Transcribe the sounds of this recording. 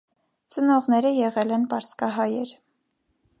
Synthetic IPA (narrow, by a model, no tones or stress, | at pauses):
t͡sənɔʁnɛɾəjɛʁɛlɛnpɑɾskɑɦɑjɛɾ